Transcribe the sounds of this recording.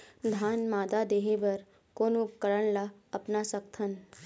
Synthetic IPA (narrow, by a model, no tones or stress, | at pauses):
d̪ʱanmad̪ad̪eɦeʋəɾ | konupkəɾəɳlaəpnasək̚t̪ʰən